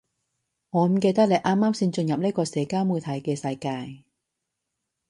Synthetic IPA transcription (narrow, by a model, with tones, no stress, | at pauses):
ŋɔː˨˧m̩˨˦ke˧jt̪̬a˥lɐ˨˩jʔaː˥mːaː˥msi˧nt͡ɕɵ˧njɐ˨˩p̚le˥kɔː˧sɛː˨˦kaː˥˩wmuː˧t̪ʰɐ˨˦jkɛː˧sɐ˧jkaː˧j